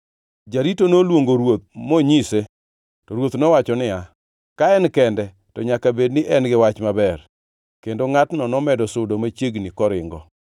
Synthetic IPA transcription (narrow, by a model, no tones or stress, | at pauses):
d͡ʒaɾitonolwoŋɡoɾwot̪̚moɲise | tɔɾwot̪nɔwat͡ʃɔnɪa | kaɛnkɛndɛ | tɔɲakabednɪʔɛnɡɪwat͡ʃmabɛr | kendoŋatnɔnɔmɛdɔsʊdomat͡ʃeɡnikɔɾɪŋɡɔ